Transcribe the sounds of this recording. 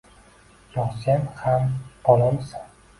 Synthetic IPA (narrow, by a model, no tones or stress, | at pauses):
jɒχsanhambɒlamsan